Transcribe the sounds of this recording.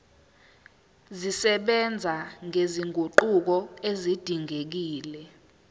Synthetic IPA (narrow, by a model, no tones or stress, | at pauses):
zisɛɓɛnd͡zʱaŋeziŋʱoǃuk̬ɔezid̥ʱiŋek̬iːlɛ